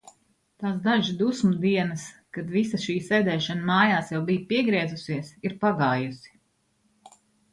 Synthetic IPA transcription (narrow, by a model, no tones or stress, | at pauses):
t̪aːs̬d̪aʒd̪usmud̪iɛnɐskad̪visaʃiːsɛjd̪ɛːʃanmaːjaːsjawbijpiɛɡɾɛɛzusiɛsiɾpaɡaːjusi̥